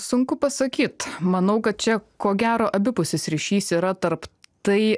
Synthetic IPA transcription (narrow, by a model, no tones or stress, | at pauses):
sʊŋkʊpɐsɐkʲiːt̪mɐnɐʊkɐt̪̚t͡ʃʲɛkoːɡʲæːɾoːʔɐbʲɪpʊsʲɪsʲɾʲɪʃʲiːsiːɾɐt̪ɐɾpt̪ɐɪ